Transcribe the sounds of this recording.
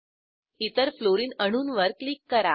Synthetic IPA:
it̪əɾfloɾiːnəɽ̃uːnʋəɾklikːəɾa

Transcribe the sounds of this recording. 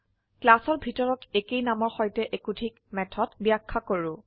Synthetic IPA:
klasɔɹbʱitɔɹɔtekejnamɔɹxɔjtɛʔekutʰikmɛtʰɔtbijakʰːakoɹʊ

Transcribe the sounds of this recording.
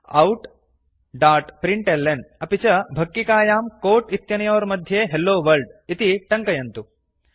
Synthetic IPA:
ɐwʈ | ɖaːʈpɾiɳʈelːenɐpit͡ʃɐbʱɐkːikaːjaːmkoːʈit̪jɐnɐjoːɾɐmɐd̪ʱjeːɦelːoːʋɐɾɖit̪iʈɐŋkɐjɐnt̪u

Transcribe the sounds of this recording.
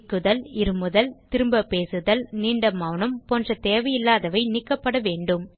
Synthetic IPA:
kːɯðɐlɪɾɯmɯðɐlt̪ɪɾɯmbɐpeːsɯðɐlniːɳɖɐmɐʋɳɯmpɔːndrɐt̪eːʋɐjɪlːaːðɐʋɐɪnɪkːɐpːɐɽɐʋeːɳɖɯm

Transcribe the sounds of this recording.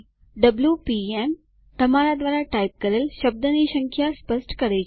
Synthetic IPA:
ɖəbljupiem | t̪ɐmaɾad̪ʋaːɾaʈaip̚kəɾeːlʃəb̚d̪əniɕə̃ŋkʰjaspəsʈkəɾej

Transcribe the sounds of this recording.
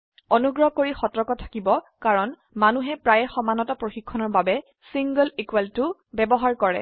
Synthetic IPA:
onuɡɹɔɦkoɹixɔtɹɔkɔtʰḁkibɔ | kaɹɔn | manuɦɛpɹajɛxɔmanɔtɔpɹoxikʰːɔnɔɹbabɛ | siŋɡɔlikwaltʊbɛbɔɦaɹkɔɹɛ̰

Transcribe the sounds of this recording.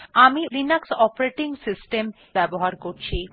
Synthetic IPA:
amiɾinaksɔpoɾeʈiŋsisʈem | bɛboɦaɾkoɾt͡ɕʰi

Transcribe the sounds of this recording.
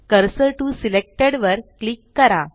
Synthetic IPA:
kəɾsəʈusilek̚ʈeɽʋəɾklikːəɾa

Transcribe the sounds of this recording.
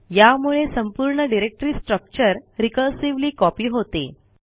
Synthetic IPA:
jamuɭesəmpuɾɳəɖiɾek̚ʈəɾiːsʈɾək̚t͡ɕəɾɾikəɭsiʋliːkɔpiːɦot̪ḛ

